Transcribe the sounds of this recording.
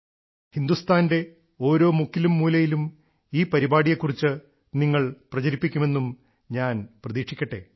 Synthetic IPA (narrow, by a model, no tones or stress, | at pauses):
hind̪ust̪ʰaːnde̞ | o̞ːɾo̞ːmukːilumːuːlɐjilum | iːpɐɾibaːɽijɐkːurit͡ɕːɨ | niŋːɐɭprɐt͡ɕɐɾipːikʲːume̞nːum | ɲaːnprɐðiːkʂikʲːɐʈːe̞̰